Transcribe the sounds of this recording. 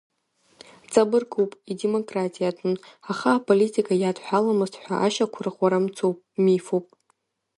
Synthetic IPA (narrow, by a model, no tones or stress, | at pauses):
t͡sʼabɨrkʼowpʼidemo̞kʼratʼijatʰʼɨnaχaːpʼolitʼikʼajatʰʼħʷᶣalamɨztħʷᶣa̰ʔa̰ʃakʷʰʊrχʷaɾamt͡sʰowpʼmifowpʼ